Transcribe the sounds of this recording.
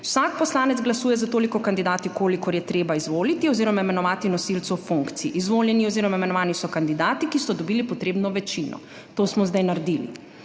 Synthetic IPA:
wsak̚pɔslaːnɛd̪zɡlasuːjɛzat̪oːlikɔkand̪id̪aːt̪ikoːlikɔɾjɛt̪ɾeːbaizʋoːlit̪iɔziːɾɔmaimɛnɔʋaːt̪inɔsilt̪suwfuŋkt̪siiʔizʋoːljɛniɔziɾɔaimɛnɔʋaːnisɔkand̪id̪aːt̪ikist̪ɔd̪ɔbiːlipɔt̪ɾeːbnɔʋɛt͡ʃinɔ̰ | t̪oːsmɔzd̪ajnaɾd̪ilḭ

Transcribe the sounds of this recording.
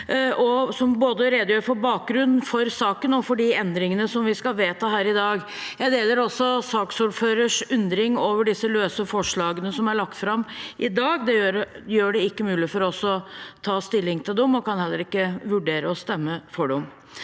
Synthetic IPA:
ʔɔsɔmboːd̪əɾeːd̪əjøːɾfɔbɑːk̚ɡɾʉn̩ːfɔɾsɑːkənɔfɔɖiɛnd̪ɾɪŋənəsɔmʋɪskɑʋeːt̪əɦæːɾɪd̪ɑːɡ | jæɪd̪eːləɾɔsːɔsɑːksuːɖføːɾəʂʉnd̪ɾɪŋoːʋəɖɪsːəløːsəfɔʂɭɑːɡənəsɔmæɭɑk̚t̪fɾɑmʔɪd̪ɑːɡd̪ɛjøːɾjøːɖɛɪkːəmʉːlɪfɔɾɔsɔt̪ʰɑːst̪ɪlːɪŋt̪ʰɪld̪ɛʊmɔkɑnhɛlːəɾɪkːəʋʉɖeːɾəɔst̪ɛmːəfɔɖɛʊm

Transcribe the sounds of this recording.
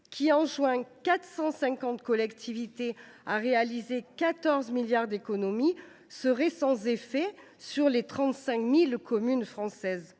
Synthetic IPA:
kʲʰiɑ̃ʒwɛ̃kat̪χsɑ̃sɛ̃kɑ̃t̪kɔlɛkt̪ʰivit̪eaʁealizekat̪ɔʁzmiljaʁd̪ekɔnɔmi | səʁɛsɑ̃zefɛ | syʁlet̪χɑ̃t̪sɛ̃kmilkɔmynfχɑ̃sɛz

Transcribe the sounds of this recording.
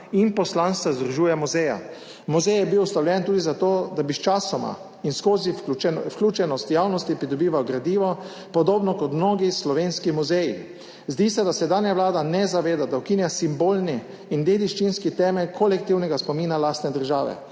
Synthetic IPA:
inpɔslanst̪azd̪ɾuʒuːjɛmuzɛja̰ | muzɛjɛbiwst̪awlʲjɛnt̪uːd̪izat̪oːd̪abist͡ʃaːsɔma̰ | inskoːzifklʲuːt͡ʃɛnɔst̪jawnɔst̪ipɾid̪ɔbiːʋawɡɾad̪iːʋɔ | pɔd̪oːbnɔkɔt̪mnoːɡislɔʋeːnskimuzɛji | zd̪iːsɛd̪asɛd̪anjaʋlaːd̪anɛzaʋeːd̪ad̪awkinjasimboːlniː | nd̪eːd̪iʃt͡ʃinskit̪ɛːmɛlkʰɔlɛkt̪iwnɛɡaspɔmiːnalaːst̪nɛd̪əɾʒaːʋɛ̰

